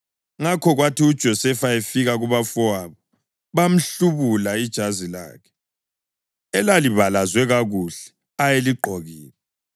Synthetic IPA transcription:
ŋakʰɔɣwatiud̥ʒ̥ʱɔsɛfaefiɣaɣuβafɔaβɔ | βam̩ɬuβulaid̥ʒ̥ʱazila̰ːkʰɛ̥ | ɛlaliβalazwɛɣaɣuɬɛ̥ | ajeliǃʱɔɣiːnɛ

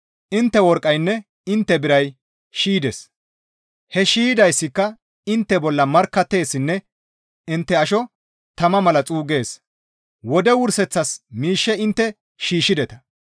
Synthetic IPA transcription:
ʔɪnt̪ːɛwɔɾkʼɐjnːɛ | ɪnt̪ːɛbɪɾɐj | ʃiːd̪ɛs | hɛʃiːd̪ɐjsːɪkːɐ | ɪnt̪ːɛbɔlːɐmɐɾkːɐt̪ːe̞ːsːɪnːɛ | ɪnt̪ːɛɐʃɔ | t̪ɐmɐmɐlɐt͡sʼuːɡe̞ːs | wɔd̪ɛwʊɾsɛt͡sːɐsmiːʃːɛɪnt̪ːɛ | ʃiːʃːɪd̪ɛt̪ɐ̥

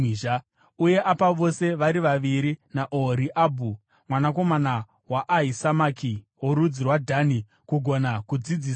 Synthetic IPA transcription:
ʒa | uje̞ʔapaʋo̞se̞ʋaɾiʋaʋiɾinaʔoɾiʔaːbʱu | mwanako̞mana | waʔːɦisamaːki | woɾud͡zirwadʱani | kuɡʱonakud͡zid͡ziːs

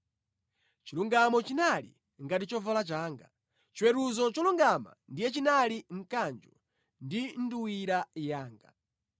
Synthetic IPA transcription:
t͡ʃiluŋɡamɔt͡ʃinalḭ | ŋɡatit͡ʃɔvalat͡ʃaːŋɡa | t͡ʃiwɛɾuzɔt͡ʃɔluŋɡama̰ndijɛt͡ʃinaliŋ̩kand͡ʒɔ | ndin̩duwiɾajaːŋɡa̰

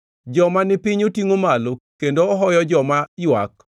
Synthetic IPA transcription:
d͡ʒɔmanɪpɪɲotiŋomalokendoɔɦɔjɔd͡ʒɔmajwa̰k

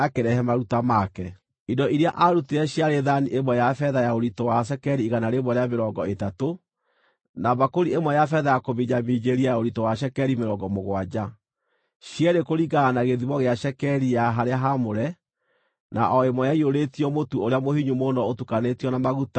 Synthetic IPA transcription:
akeɾɛhɛmaɾutamakɛ | idɔʔiɾeaʔaɾuteɛɕiaɾeðaniʔemwɛjafɛðajaoɾitɔwaʃ̬ɛkɛɾiːɣanaɾemwɛɾeameɾɔɡɔetato | naβakoɾiemwɛjafɛðajakoβiɲamid͡ʑeɾiajaoɾitɔwaɕɛkɛɾimeɾɔŋɡɔmoɣwad͡ʑa | ɕjɛɾekoɾiɣɡaːnaɣeðiβɔɣeaʃɛkɛɾijaɦaɾeaɦamoɾɛ | na̰ʔɔemwɔjaioɾetiɔmotuoɾeamohiɲumonɔotukanetiɔnamaɣuta

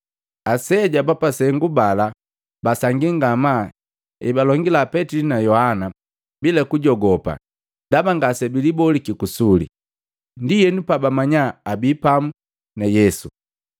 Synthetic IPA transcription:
asɛɟabapasɛŋɡubala | basaŋɡiŋɡama | ibalɔŋɡilapɛtilinajɔhana | bilɛkuɟɔɡɔpa̰ | dabaŋɡasɛbilibɔlikikusulḭ | ndijɛnupabamaɲaːbipamu | najɛsu

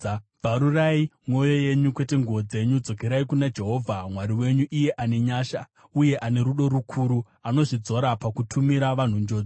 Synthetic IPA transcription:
b͡vʱaɾuraimo̞jo̞je̞ɲukwe̞te̞ŋɡuʋo̞d͡ze̞ɲud͡zo̞ke̞ɾaikunad͡ʒe̞ɦo̞ːvʱamwaɾiwe̞ɲuʔije̞ʔane̞ɲaːʃa | uje̞ʔane̞ɾuɗo̞ɾukʰuɾu | ano̞ʐid͡zo̞ɾapakutʰumiɾaʋan̤und͡ʒo̞ːd͡zo

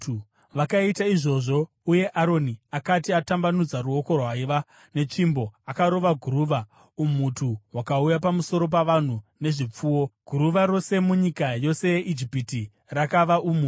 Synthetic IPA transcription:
u | ʋakaitaiʐo̞ʐo̞ | uje̞ʔaɾo̞niakatiatambanud͡zaruo̞ko̞rwaiʋa | ne̞t͡ʂimbo̞akaɾo̞ʋaɡʱuɾuːʋa | umutʰuwakaujap̬amuso̞ɾo̞p̬aʋan̤une̞ʐip͡fuːwo̞ɡ̥ʱuɾuʋaɾo̞se̞muɲikajo̞se̞jeʔid͡ʒipiti | rakaʋaʔumu

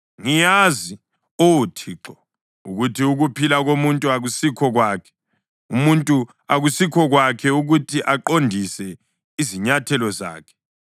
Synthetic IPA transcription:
ŋijazi | owutʰiːǁɔ | uɣutʰiuɣupʰilaɣomuntʼuaɣusikʰɔɣwaːkʰɛ̥ | umuntʼu | aɣusikʰɔɣwakʰɛuɣutʰiʔaǃondʱisɛ | iziɲatʰɛlɔza̰ːkʰɛ̥

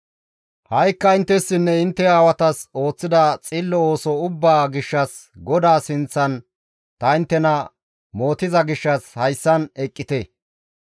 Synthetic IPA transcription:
hɐjkːɐɪnt̪ːɛsːɪnːɛɪnt̪ːɛaːwɐt̪ɐso̞ːt͡sːɪd̪ɐt͡sʼiːlːɔoːsɔʊbːaːɡɪʃːɐs | ɡɔd̪aːsɪnt͡sːɐn | t̪ɐɪnt̪ːɛnɐ | mo̞ːt̪ɪzɐɡɪʃːɐshɐjsːɐnɛkʼːɪt̪ɛ

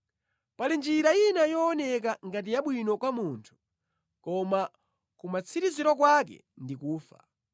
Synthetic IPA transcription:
palind͡ʒiɾainajɔːnɛk̬aŋɡat̬ijaɓwinɔkwamuntʰu̥ | kɔma | kumat͡sʰiɾiziɾɔk̬wakɛ̰ndikuːfa̰

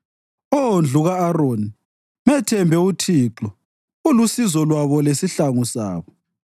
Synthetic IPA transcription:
ond͡ɮʱuɣaːroːni | mɛtʰɛmbʱɛutʰiǁɔ | ulusizɔlwaβɔlesiɬaŋusa̰ːβɔ

